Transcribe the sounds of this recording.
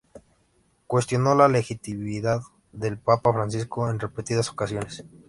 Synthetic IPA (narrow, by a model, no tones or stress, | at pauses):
kwe̞st̪jonolalexit̪imiðað | ðelpapafɾans̬iskoenrepet̪iðaso̞̥kasjo̞nes